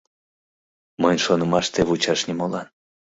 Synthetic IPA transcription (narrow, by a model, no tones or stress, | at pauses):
mənʲʃonəmɑʃt̪eβut͡ɕɑʃnʲimolɑn